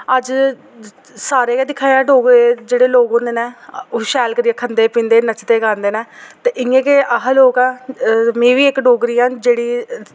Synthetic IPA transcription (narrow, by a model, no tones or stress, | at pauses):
əd͡ʒ | saːɾeːkeːd̪ɪkʰaːjaːɖoːɡɾeːd͡ʒeːɽeːloːɡõːnd̪eːnɛːoʃɛːlkəɾiaːkʰənd̪eːpĩːnd̪eːnət͡ʃt̪eːɡãːnd̪eːnɛːt̪eːʔɪẽːkeʔaɦloːkãːmẽːʋiːɪkɖoːɡɾiːãːd͡ʒeːɽiː